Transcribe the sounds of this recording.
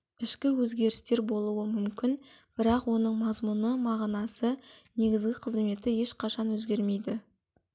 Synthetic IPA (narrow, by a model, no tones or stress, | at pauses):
ɪʃkʲɪwɵzɡʲe̞ɾɪst̪e̞ɾbo̞lˠuwəmʏmkʲɪnb̥ɪɾɑqwo̞nəɴmɑzmunəmɑʁnɑsəne̞ɡʲɪzɡʲɪqʰəzme̞t̪ɪje̞ʃqʰɑʃɑnwɵzɡʲe̞ɾme̞jd̪ɪ